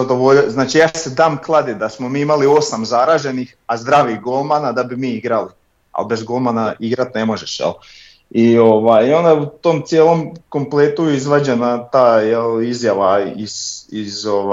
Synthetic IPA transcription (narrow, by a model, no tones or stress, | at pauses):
ad̪oʋoʎznaːt͡ʃijaːsed̪aːmklˠad̪id̪asmomiːimalio̞samzaɾaːʒe̞nixazd̪ɾaːʋiɣɡolˠmanad̪abimiːiɡɾali | a̰lbe̞zɡolˠmanaiɡɾat̪ne̞mo̞ʒeʃjḛlˠ | ioʋajo̞nd̪aut̪o̞mt̪sjeːlˠo̞mko̞mplet̪uizʋad͡ʑenat̪aːjelizjaʋaizizoʋa